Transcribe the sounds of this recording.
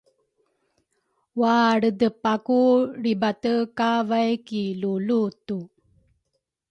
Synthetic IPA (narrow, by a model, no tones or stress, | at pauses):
waɽədəpakuɾibatəkavajkilulutu